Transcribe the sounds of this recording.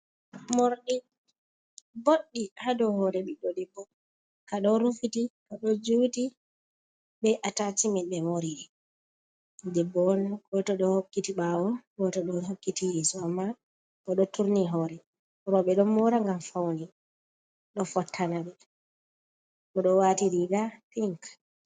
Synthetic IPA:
moɾɗi | boɗːihadɔhɔɾɛɓɛɗɔdɛbːɔ | kaɗɔɾufitikaɗɔd͡ʒuwti | ɓɛʔatatimɛɗɛmoɾiɗɛ | dɛbːɔnɡɔtɔɗɔhokːitiɓawɔɡɔtɔɗɔɦokːitijɛːsɔamːa | kɔɗɔtuɾniɦɔːɾɛ | ɾɔɓɛɗɔmɔɾaŋɡamfawni | ɗɔfɔtʰːanaɓɛ | kɔɗɔwaːtiɾiɡapiŋk

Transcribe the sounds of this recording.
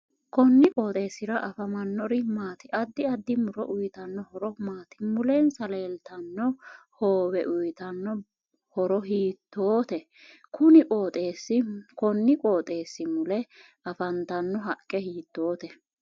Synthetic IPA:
kɔnːɪkʼoːt̪ʼe̞ːsɪɾɐʔɐfɐmɐnːɔɾɪmaːt̪ɪʔɐd̪ːɪɐd̪ːɪmʊɾɔ̰ʔʊjt̪ɐnːɔhɔɾɔmaːt̪ɪ̥mʊlensɐleːlt̪ɐnːɔ | hoːwɛʔʊjt̪ɐnːɔ | hɔɾɔɦiːt̪ːoːt̪ɛ | kʰʊnɪkʼo̞ːt̪ʼeːsːɪkɔnːɪkʼoːt̪ʼe̞ːsːɪmʊlɛ | ɐfɐnt̪ɐnːɔɦɐkʼːɛhiːt̪ːo̞ːt̪ɛ

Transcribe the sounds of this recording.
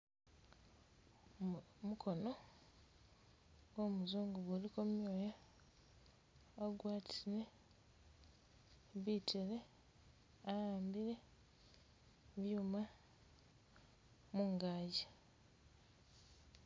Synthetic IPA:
mukʰo̞no̞ | ɡo̞ːmuzuːŋɡuβulikomjoːja | aɡwaːtʰile | βiːtʰeɾe̞ | ajaːmbiɾe̞ | βjuːma | muːŋɡaːɟe

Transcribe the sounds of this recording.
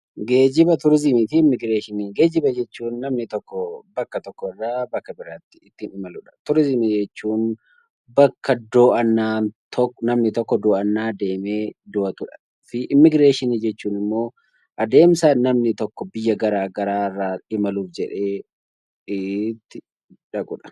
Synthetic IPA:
ɡe̞ːd͡ʒɪbɐt̪ʊɾɪzɪmɪt̪ɪmːɪɡɾeːʃɪniːɡe̞ːd͡ʒɪbɐd͡ʒɛt͡ʃːuːnːɐmnɪt̪ɔkːɔbɐkːɐt̪ɔkːɔɪrːaːbɐkːɐbɪɾaːt̪ːɪ̥ːt̪ːɪnɪmɐlʊᶑɐ̥t̪ʊɾɪzɪmid͡ʒɛt͡ʃːuːn | bɐkːɐd̪ɔːʔɐnːaːnt̪ʰɔkːnɐmnɪt̪ɔkːɔd̪ɔːʔɐnːaːd̪e̞ːme̞ːd̪ʊʔɐt̪ʊᶑɐ̥ | fɪʔɪmːɪɡɾeːʃɪniːd͡ʒɛt͡ʃːuːnɪmːo̞ː | ʔɐd̪e̞ːmsanɐmnɪt̪ɔkːɔbɪjːɐɡɐɾaːɡɐɾaːɪrːaːɪmɐluːfd͡ʒɛᶑe̞ː | ɪt̪ːɪ | ᶑɐɡʊ̰ᶑɐ̥

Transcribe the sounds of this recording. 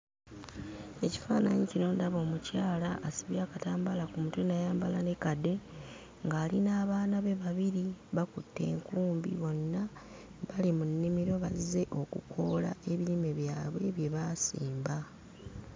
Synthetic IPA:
e̞ci̥fa̰ːnaɲiciɾo̞ːndaβo̞ːmucaːlaʔːsiβjaːkataːmbalakumutunajaːmbalane̞kade̞ | ŋɡaːlinaːβaːnaβe̞βaβiɾiβakutːe̞̰ːŋkuːmbḭβo̞nːa | βalimunːimiɾo̞βazze̞ʔo̞kukʰo̞la̰ʔe̞βilime̞βjaːβwe̞βje̞βasiːmba

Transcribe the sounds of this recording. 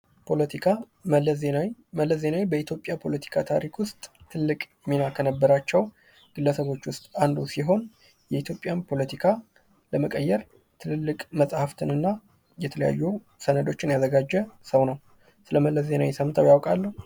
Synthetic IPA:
pʰolət̪ikʰa | m | məlːəze̞nawjbəit̪jo̞pʼjapʰo̞lət̪ʰi̥kʰat̪ʰaɾikʰwʊst̪ʼt̪ʰɨlːɨkʼ | minakʰənəbːəɾat͡ʃːɛw | ɡ̥ɨlːəsəβo̞t͡ʃːwʊst̪ʼand̪usiɦo̞n | jɛit̪ʰjo̞pʼjanpʰo̞lət̪ʰikʰa | ləməkʼəjːɛɾ | t̪ʰɨnɨlːɨkʼməsʼhaft̪ʰɨnɨnːa | jɛt̪ʰələja̰jːu | sənəd̪o̞t͡ʃːɪnjazəɡad͡ʒːɛsəwnəw | sɨləməlːəzːe̞nawjsəmt̪ʰəwjawkʼalːəhu

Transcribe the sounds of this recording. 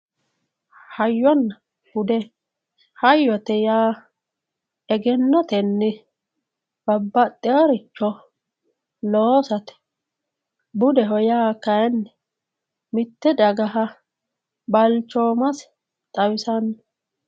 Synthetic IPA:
hɐjːɔnːɐ | hʊd̪ɛ | hɐjːɔt̪ɛjaː | ɛɡɛnːɔt̪ɛnːɪ | b̥ɐbːɐt̪ʼːɪɐɾɪt͡ʃːɔ | loːsɐt̪ɛ̥ | bʊd̪ɛɦɔjaːkɐɛnːɛ | mɪt̪ːɛd̪ɐɡɐɦɐ | bɐlt͡ʃːɔːmɐs | t̪ʼɐwɪsɐnː

